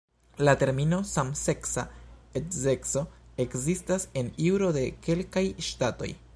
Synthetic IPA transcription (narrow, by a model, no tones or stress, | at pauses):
late̞ɾmino̞samse̞ksa̰etze̞kso̞e̞kzistase̞niwɾo̞de̞ke̞lkajʃtato̞̰j